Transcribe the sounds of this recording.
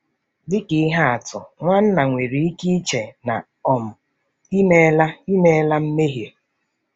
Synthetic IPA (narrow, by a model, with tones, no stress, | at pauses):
dɪ˦kɪ˨˦ɦa˦a˨tʊ̰˨ŋʷa˦n̩˦na˨ŋʷe˨ɾi˨i˦ki˦i˦t͡ʃe˨na̰˨ | ɔ˨m̩˨ | i˦me˦la˦i˦me˦la˦m̩˦me˦ɦje˨